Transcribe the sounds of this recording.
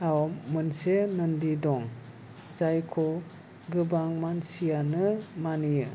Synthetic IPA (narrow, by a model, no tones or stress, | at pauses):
awmɯnsenɯndidɔŋ | zajkʰɔ | ɡɯbaŋmansijanɯmanijɯ